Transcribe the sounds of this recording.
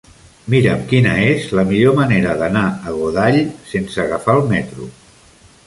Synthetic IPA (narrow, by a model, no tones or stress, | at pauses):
miɾəmkinə̰ezləmiʎoməneɾəðənaəɣuðaʎsensəɣəfaəlˠmɛt̪ɾṵ